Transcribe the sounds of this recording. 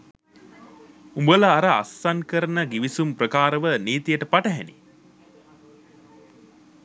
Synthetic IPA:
umbələaɾəa̰sːankəɾənəɡiʋisumprəkaːɾəʋəniːt̪ijəʈəpaʈəɦɛnḭ

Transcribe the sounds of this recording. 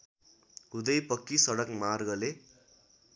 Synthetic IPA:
ɦud̪ʌjpʌkːisʌɽʌkmarɡʌle

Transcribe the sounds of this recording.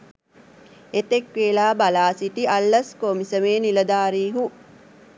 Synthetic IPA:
et̪ekʋeːlaːbalaːsiʈialːɐskomisəmeːniləd̪aːɾiːɦu

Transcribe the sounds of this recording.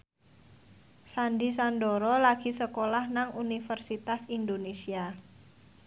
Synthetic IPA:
sandisandɔɾɔlaɡ̥i̤səkolahnaŋunifərsit̪asindonesia

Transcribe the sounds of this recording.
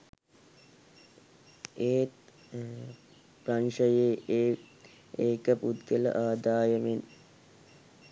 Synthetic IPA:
eːt̪ | pranʂəjeːeː | eːkəpud̪ɡələ̰ʔaːd̪aːjəmen

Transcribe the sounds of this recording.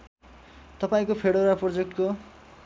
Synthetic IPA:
t̪ʌpaĩkopʰeɽoɾaprod͡zek̚ʈko

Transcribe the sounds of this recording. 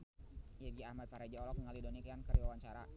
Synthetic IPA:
jaɡiamat̪̚paɾad͡ʒaɔlɔk̚əŋalidonikiankəɾiwawaɲt͡ʃaɾa

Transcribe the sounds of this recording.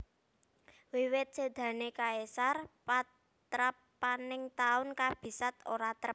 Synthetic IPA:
wiwɪt̪̚səd̪̥ä̤nekaesarpat̪ | ɾapː | anɪŋt̪aʊnkab̥i̤sat̪oɾat̪ɾəp̚

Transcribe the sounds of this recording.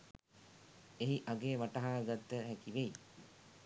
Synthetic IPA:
eɦiʔaɡeːʋaʈəɦaːɡat̪ːəɦækiʋei

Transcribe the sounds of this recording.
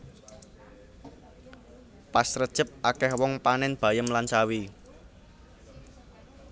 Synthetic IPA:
pasrəd̥ʒ̥ə̤p̚akɛhwɔŋpanɪnb̥ä̤jəmlant͡ʃawi

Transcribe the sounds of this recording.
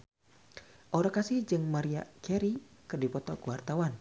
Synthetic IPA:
ʔoɾakasɪhd͡ʒɨŋmaɾiakɛɾikɨrdipɔt̪ɔkuwart̪awan

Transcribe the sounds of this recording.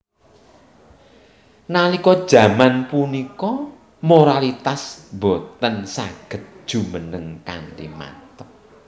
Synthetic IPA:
nalikɔd̥ʒ̥ä̤manpunikɔ | moɾalit̪asbɔt̪ənsaɡ̥ə̤t̪̚d̥ʒ̥ṳmənəŋka̰ndima̰t̪ək̚

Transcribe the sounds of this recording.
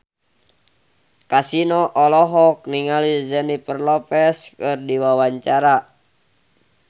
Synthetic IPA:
kasinɔʔɔlɔɦɔk̚niŋalizɛnipərlɔpɛskɨrdiwawaɲt͡ʃaɾa

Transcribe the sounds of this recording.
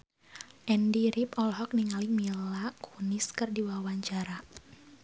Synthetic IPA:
ʔɛndiɾipɔlɦɔk̚niŋaliŋmilakʰuniskɨrdiwawaɲt͡ʃaɾa

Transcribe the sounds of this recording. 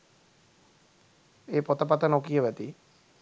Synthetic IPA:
eːpot̪əpat̪ənokijəʋæt̪i

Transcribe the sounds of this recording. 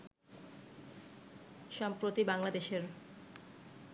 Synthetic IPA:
ʃampɾot̪ibaŋlad̪eʃeɾ

